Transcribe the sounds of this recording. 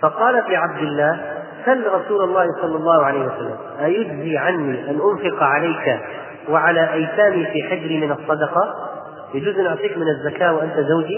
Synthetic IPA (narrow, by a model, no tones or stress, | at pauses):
fɑqɑːlafiːʕab̚d̪ɪlːaːh | salːɾˤɑsuːlɑlˤːɑːhsˤɑlːɑlˤːɑːhʊʕalajhwasalːa̰mʔajʊd͡ʒziʕanːiʔanʔʊnfɪqʕalaːka | wɪʕalaʔajsaːmifiːħad͡ʒɾimɪnɑsˤːɑd̪ɑqɑ | jad͡ʒuːzʔanʔʊʕt̪ˤiːkmɪnɪzːakaːʔwʔant̪azawd͡ʒi